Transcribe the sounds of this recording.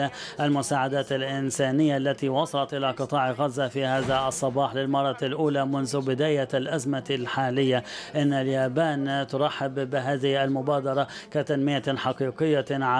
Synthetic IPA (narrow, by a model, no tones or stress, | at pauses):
aʔalmʊsaːʕad̪aːt̪alʔɪnsaːnɪjːaʔlːat̪iwɑsˤɑlɑt̪ʔɪlaqɨt̪ˤɑːʕɣazːafihaːðaʔɑsˤːɑbɑːħlɪlmɑrˤːɑlʔuːlamʊnðʊbɪd̪aːjalʔazmalħaːlɪjːaʔɪnːaljaːbaːnt̪ʊɾˤɑħːɪbːɪɦaːðɪhalmʊbaːd̪ɑɾˤɑkat̪anmɪjaħɑqiːqɪjːaʕa